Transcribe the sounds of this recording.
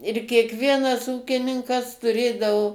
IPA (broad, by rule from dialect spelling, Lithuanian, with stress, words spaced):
ɪr kʲiɛkˈʋʲiɛnɐs ˈuːkʲɪnʲɪŋkɐs tʊˈrʲeːdɐʋoː